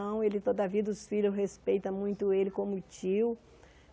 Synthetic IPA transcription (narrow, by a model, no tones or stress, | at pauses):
ɐ̃w̃elɪt̪od̪ɐviɐd̪ʊsfiʎʊsɦespejt̪ɐmũj̃t̪ʊelɪkõmʊt͡ʃiw